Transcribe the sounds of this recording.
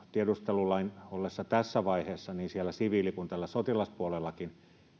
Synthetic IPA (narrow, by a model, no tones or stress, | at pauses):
t̪iedust̪elulɑinolːesːɑt̪æsːæʋɑiheːsːɑniːnsielːˑæsiʋiːlikunt̪ælːæsot̪ilɑspuolelːɑkin